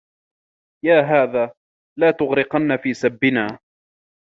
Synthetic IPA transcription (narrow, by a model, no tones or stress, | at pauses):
jaːɦaːðaː | laːt̪ʊɣɾɪqɑnːafiːsabːɪnaː